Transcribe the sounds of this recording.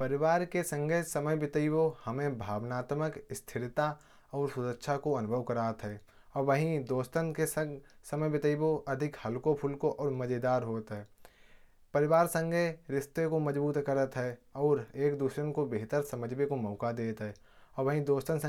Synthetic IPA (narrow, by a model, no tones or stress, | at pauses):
pəɾɪʋaːɾkesə̃ŋɡʱesəməjbɪt̪əibohɐmẽbʱaːʋnaːt̪məkɪst̪ʰɪɾɪt̪a | ɔːɾsʊɾəkːʃʰakoɐnʊbʱəʋkəɾaːt̪ɦɛː | ɔːɾʋəɦĩd̪oːst̪ənkesəsəməjbɪt̪əiboʔɐd̪ʱɪkhəlkopʰʊlkoʔɔːɾməd͡ʒed̪aːɾɦoːt̪ɦɛː | pəɾɪʋaːɾsə̃ŋɡʱeɾɪst̪ekoməd͡ʒbuːt̪kəɾət̪ɦɛɔːɾeːkd̪uːʃɾənkobeɦt̪əɾsəməd͡ʒbekomɔːkad̪eːt̪ɦɛː | ɔːɾʋəɦĩd̪oːst̪ənsə̃